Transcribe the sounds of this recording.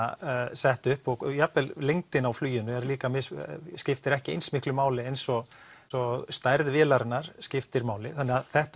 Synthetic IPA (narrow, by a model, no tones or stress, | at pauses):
sɛht̪ʏhpɔɣjapɛllejŋt̪ɪnawflyːjʏnʏɛɾliːkamɪsscɪft̪ɪɾɛhcɪḛjnsmɪhklʏmaːwlɪejnsɔ | sɔst̪ajɾðvɪːlaɾnːaɾ̥scɪft̪ɪɾmaːwlɪθanɪaðθɛht̪